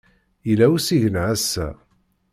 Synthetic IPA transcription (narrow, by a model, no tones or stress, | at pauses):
ilæwsiʝənʕæsːæ̰